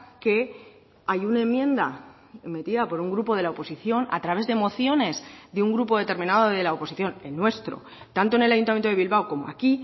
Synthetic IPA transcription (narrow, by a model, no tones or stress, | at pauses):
ke̞ | ajunae̞mːjẽ̞nd̪a | me̞t̪iðapo̞ɾuŋɡɾupo̞ðe̞laopo̞siθjo̞na̰t̪ɾaβe̞zðe̞mo̞θjo̞ne̞zðeuŋɡɾupo̞ðe̞t̪e̞ɾmĩnaðoðe̞laopo̞siθjo̞nelnwe̞st̪ɾo̞̰ | t̪ant̪oe̞ne̞lajunt̪amjent̪oðeβilβawko̞moa̰ki